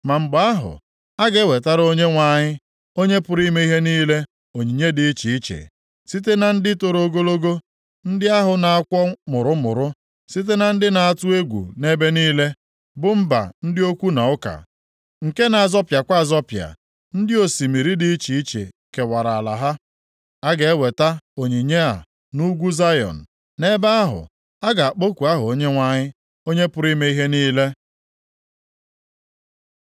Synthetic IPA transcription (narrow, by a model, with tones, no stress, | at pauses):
ma˨ŋ͡m̩˨ɡ͡ba˦a˦ɦʊ̰˨ | a˦ɡe˦we˨ta˦ɾo˦ɲe˦ŋʷa˦˨ɲɪ˦ | o˦ɲe˦pʊ˨ɾi˦me˦i˦ɦe˦niː˦le˦ | o˨ɲi˨ɲe˦di˨i˦t͡ʃi˨i˦t͡ʃḛ˨ | si˦t̬e˦na˨n̩˦dɪ˦to˨ɾo˨ɡo˦lo˦ɡo˦ | n̩˦dɪ˦a˦ɦʊ˨na˨a˦kʷɔ˦mʊ˨ɾʊ˦mʊ̰˨ɾʊ˦ | si˦t̬e˦na˨n̩˦dɪ˦na˨a˦˨tʊ˦e˦ɡʷṵ˨ne˦be˦niː˦le˦ | bʊ˨m̩˦ba̰˨n̩˦dɪ˦o˦kʷu˦na˨ʊ˦ka̰˨ | ŋ̩˨ke˦na˨a˨zɔ˦pja˨kʷa˦a˨zɔ˦pja̰˨ | n̩˦dɪ˦o˨si˨mi˨ɾi˦di˦i˦t͡ʃi˨i˦t͡ʃḛ˨ke˨wa˨ɾa˨a˨la̰˨ɦa˦ | a˦ɡe˨e˦we˨ta˦o˨ɲi˨ɲe˦a̰˨ | nu˦ɡʷu˦za˦jɔ̰˨n̩˨ | ne˦ba˦a˦ɦʊ̰˨ | a˦ɡa˨a˨k͡po˦kʷu˨a˦ɦʊ˨o˦ɲe˦ŋʷa˦ɲɪ˦ | o˦ɲe˦pʊ˦ɾi˦me˦i˦ɦe˦niː˦le˦